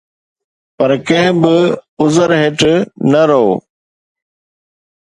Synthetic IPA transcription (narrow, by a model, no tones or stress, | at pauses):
pɐɾkɐ̃ɦɪ̃bɪʊzəɾɦɪʈnɐɾooː